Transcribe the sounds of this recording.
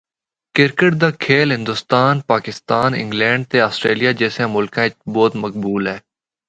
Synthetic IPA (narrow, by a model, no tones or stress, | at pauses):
kɪɾkəʈ̚d̪aːkʰeːlɦɪ̃nd̪ʊst̪aːnpaːkɪst̪aːnɪ̰̃ŋɡlɛ̃ːɳɖ̚t̪eaːsʈɾeːlijaːd͡ʒɛːsẽːmʊlkãbɔːt̪mək̚buːlɦɛː